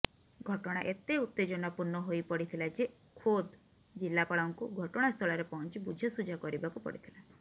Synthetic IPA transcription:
ɡʱɔʈɔɽ̃aʔet̪eut̪ːed͡ʒɔnɔpuɾnɔɦojpɔɽit̪ʰilad͡ʒe | kʰod̪ | d͡ʒilːapaɭɔŋkuɡʱɔʈɔɽ̃ast̪ʰɔɭaɾepɔɦɔnt͡ʃibud͡ʒʱjɔsud͡ʒʱakɔɾibakupɔ̰ɽit̪ʰila

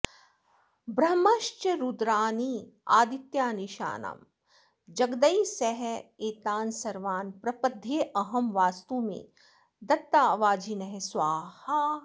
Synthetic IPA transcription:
bɾɐmɐʃt͡ʃɐɾud̪ɾaːniːaːd̪it̪jaːniʃa̰ːna̰m | d͡ʒɐɡd̪ɐjsɐɦɛeːt̪aːnsɐɾʋaːnpɾɐpɐd̪ʱeːʔɐɦɐmʋaːst̪uːmḛ̃ː | d̪ɐt̪ːaːʋaːd͡ʒʱinɐɦesʋaːha

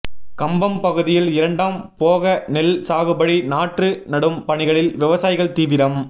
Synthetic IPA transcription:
kɐmbɐmpɐɣɯðɪjɪlɪɾɐɳɖaːmpoːɣɐnɛlsaːɣɯbɐɽinaːʈrɯnɐɽɯmpɐɳɪɣɐɭɪlʋɪʋɐsaːjɪɣɐɭt̪iːʋɪɾɐm

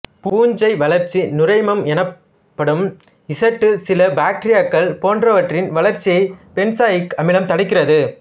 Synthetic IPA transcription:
puːɲd͡ʒɐɪʋɐlɐɾt͡ʃːinʊrɐɪmɐmɛnɐp | pːɐɽɯm | ɪsɐʈːɯsɪlɐbaːk̚ʈɾɪjaːkːɐɭpoːndrɐʋɐʈrɪnʋɐɭɐɾt͡ʃːɪjɐɪpɛnsaːjɪkːɐmɪlɐmt̪ɐɽɪkːɪrɐðɯ

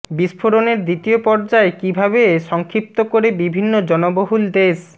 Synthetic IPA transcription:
biʃfʰoɾoneɾd̪it̪iopɔɾd͡ʑaekibʱaβeʃɔŋkʰɾip̚t̪okoɾebibʱinːod͡ʑɔnoboɦuld̪es

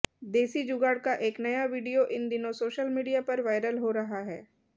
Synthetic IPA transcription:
d̪eːsid͡ʒʊɡaːɽkaʔeːknɐjaʋiːɖijoʔɪnd̪ɪnõsoːʃəlmiːɖijapɐɾʋaːɪɾəlɦoɾɐɦaɦɛː

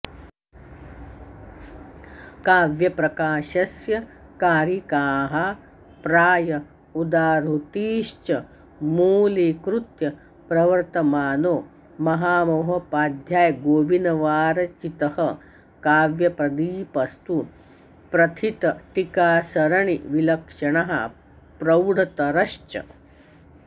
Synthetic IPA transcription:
kaːʋjɐpɾɐkaːʃɐsjɐkaːɾjikaːɦa | pɾaːjɐ | ud̪aːɾut̪iːʃt͡ʃɐ | muːlikɾut̪jɐ | pɾɐʋɐɾt̪ɐmaːnoː | mɐɦaːmoɦɐpaːd̪ʱjaːjɡoːʋinɐʋaːɾɐt͡ʃit̪ɐhɐ | kaːʋjɐpɾɐd̪iːpɐst̪u | pɾɐt̪ʰit̪ɐʈikaːsɐɾɐɳiʋilɐkʂɐɳɐɦɐ̰ | pɾɐwɽʱɐt̪ɐɾɐʃt͡ʃɐ̰

